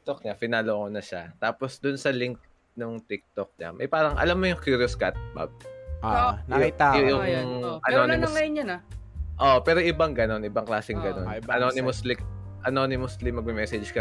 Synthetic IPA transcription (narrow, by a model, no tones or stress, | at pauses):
k̚t̪ok̚ɲafɪnaːloʔkonɐʃat̪aːposd̪ʊnsɐlɪŋk̚ | nʊŋt̪ik̚t̪ok̚ɲa̰mɐ̰jpaːɾɐŋʔɐ̰lamːojʊŋkjuɾjoskat̪̚ba̰b̚ | niajʊjʊŋjʔɐnonɪmɐjonɲɐnɐʔoʔpɛːɾoʔɪbɐŋɡɐno̞nʔɪbɐŋklaːsɛŋɡɐno̰nɐnonɪmoslɪk | ʔɐnonɪmoslɪmɐɡ̚mɪmɛsɛd͡ʒkɐ